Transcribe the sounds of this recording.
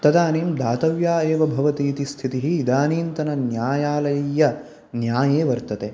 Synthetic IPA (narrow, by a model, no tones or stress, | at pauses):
t̪ɐd̪aːniːmd̪aːt̪ɐʋjaːeːʋɐbʱɐʋɐt̪iːt̪ist̪ʰit̪iɦiːd̪aːniːnt̪ɐnɐnjaːjaːlɐjɐjːɐ | njaːjeːʋɐɾt̪ɐt̪eː